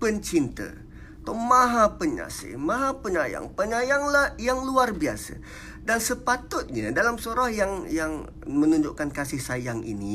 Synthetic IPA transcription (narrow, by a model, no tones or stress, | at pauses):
pəɲt͡ʃint̪ə̰ | t̪amãɦãpəɲa̰sə̰mãɦapəɲaja̰ŋpəɲajaŋlahjaŋluarbiasə̰ | dansəpat̪ʊt̪̚ɲa̰dalamsoɾɔhjaŋjaŋ | mənũɲd͡ʒʊʔkankasɪhsajaŋʔḭni